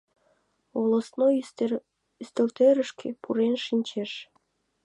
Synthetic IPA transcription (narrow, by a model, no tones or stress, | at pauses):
olosno | yst̪ĕlt̪eɾəʃkʰepʰuɾenʃinʲt͡ɕeʃ